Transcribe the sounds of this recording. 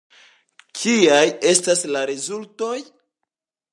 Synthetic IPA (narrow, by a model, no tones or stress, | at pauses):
kʰiaje̞staslaɾezulto̞j